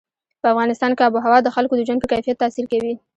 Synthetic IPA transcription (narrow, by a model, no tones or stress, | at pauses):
pəafɣɑnɪst̪ɑnkeaboɦawɑd̪əxalkod̪əʒwand̪pəkajfijat̪ːɑsiɾkawi